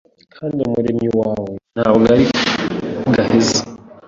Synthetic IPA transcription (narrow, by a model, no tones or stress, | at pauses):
kʰaːndiomuɾemiwaːwen̥haβɡaɾi | ɡahize